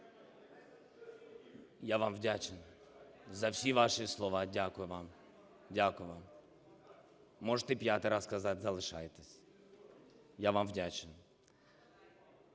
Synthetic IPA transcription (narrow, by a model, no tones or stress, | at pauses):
jaʋamʋdʲat͡ʃɪn | zɐwsʲiʋɑʃɨslˠɔʋɑdʲakʊjʊʋɑm | dʲakʊjʊʋam | ɔʐət̪ɛpjat̪ɪjɾaskɐzatʲzɐlˠɪʃajet̪esʲ | jaʋamwdʲat͡ʃɪn